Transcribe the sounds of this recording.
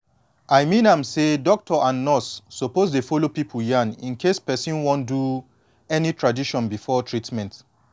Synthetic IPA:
ajmĩnãmsedɔk̚tʰɔʔãnːɔsːopozdefɔlopipʰujãnĩnkʰespɛsĩnwɔ̃ndu | ɛnitʰɹadiʃɔ̃nbifɔtʰɹitmɛ̃nt

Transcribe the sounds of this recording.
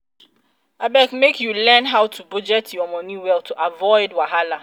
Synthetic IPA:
abɛkmekʰjulɛ̃nɦawtʰubud͡ʒɛtʰjɔmɔ̃nũwɛltʰuʔavɔɪdwaɦala

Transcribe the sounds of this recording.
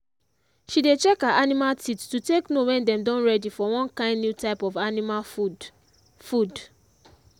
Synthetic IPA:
ʃidet͡ʃɛkhaʔanimaltittuteknowɛ̃ndɛ̃mdɔ̃nɹɛdifɔwɔ̃nkãɪ̃ndnjutaɪpɔvanima | fud

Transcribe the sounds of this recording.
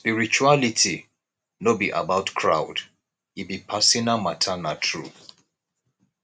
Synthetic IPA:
spiɹit͡ʃualitʰi | nobiʔa̰baʊtkʰɹa̰ʊd | ibipʰasĩnamatʰanatʰɹu

